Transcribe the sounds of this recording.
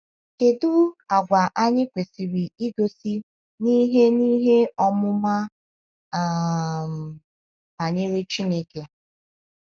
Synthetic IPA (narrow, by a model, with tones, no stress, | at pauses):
ke˨du˦a˨ɡʷa˨ʔa˦ɲɪ˦kʷe˨si˨ɾi˨i˦ɡo˨si˦ | ni˦ɦe˦ni˦ɦe˦ɔ˦mʊ˦ma˦˨ | m̩˨ | ba˨ɲe˦ɾe˦t͡ʃi˦ne˦ke˨